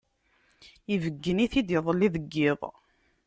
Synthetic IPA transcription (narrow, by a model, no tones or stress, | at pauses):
ivəɡːəniθid̪ɪðˤəlːiðəɡːɪðˤ